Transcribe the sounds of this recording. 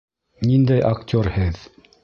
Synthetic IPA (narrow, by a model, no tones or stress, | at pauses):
nind̪æjʔɐktʲoɾhɘð